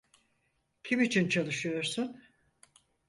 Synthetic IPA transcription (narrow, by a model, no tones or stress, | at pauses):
cʰimit͡ʃʰint͡ʃʰalˠɯʃɯjo̞ɾsun